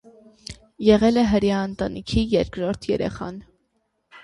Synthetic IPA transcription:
jɛʁɛlɛɦəɾjɑənt̪ɑnikʰijɛɾkɾɔɾt̪ʰjɛ̰ɾɛ̰χɑ̰n

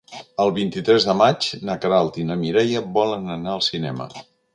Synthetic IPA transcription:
əlˠβint̪it̪ɾɛzðəmad͡ʒnəkɾalˠt̪inəmiɾɛjəbɔlənənaəlˠsinɛ̰mə̰

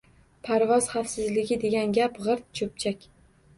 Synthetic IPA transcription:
pʰaɾvɒz̥χafsɪzlɪɡʲɪd̪e̞ɡʲanɡʲapʁɨɾt̪̚t͡ʃʰɵp̚t͡ʃʰakʲ

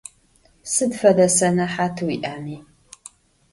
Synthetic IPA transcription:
sɨdfɐdɐsɐnɐħaːtʰɨwiʔaːmiː

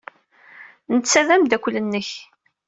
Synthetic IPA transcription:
nət̪sæðæmd̪ækʷːələnːəç

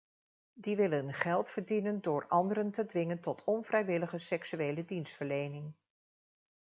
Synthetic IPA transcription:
diʋɪlənχɛlˠtfəɹdinəndʊːɹɑndəɾəntədʋɪŋəntɔtʰɔnvrɛjʋɪləχəsɛksyejlədinstfəɹlejnɪŋ

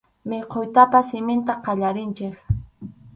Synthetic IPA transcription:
mɪqʰojt̪apasɪmɪnt̪aqɑʎaɾɪnt͡ʃɪk

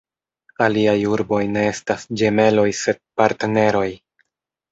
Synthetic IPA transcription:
aliajuɾbo̞jne̞e̞stasd͡ʒe̞me̞lo̞jse̞d̚paɾtene̞ɾo̞j

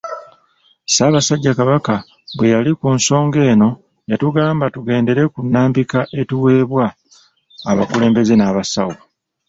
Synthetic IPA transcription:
saːβasaɟːakaβaka | βwe̞jalikuːnso̞ːŋɡe̞ːno̞ | jatuɡaːmbatuɡe̞ːnde̞ɾe̞kunːaːmbikaʔe̞tuwe̞ːβwaː | βa̰kule̞ːmbe̞ze̞naːβasawo

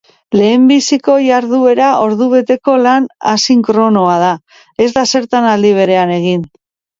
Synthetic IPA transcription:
le̞ːmbisiko̞jaɾðue̞ɾaʔo̞ɾðuβ̞e̞t̪e̞ko̞lana̰siŋkɾo̞no̞að̞a | e̞zd̪ase̞ɾt̪anald̪iβ̞e̞ɾe̞ane̞ɣin

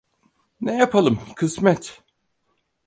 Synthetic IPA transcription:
nejapʰalˠɯmkʰɯsmɛt̪

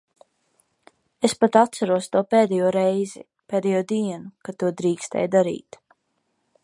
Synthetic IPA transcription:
espat̪at̪t̪saɾuɔst̪uɔpɛːd̪ɛjuɔɾɛjzḭ | pʲɛːd̪ɛjuɔd̪iɛnukat̪uɔd̪ɾiːkst̪ɛ̰jd̪aɾḭːt̪

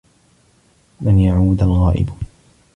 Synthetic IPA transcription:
manjaʕuːd̪alɣaːʔɪ̰b

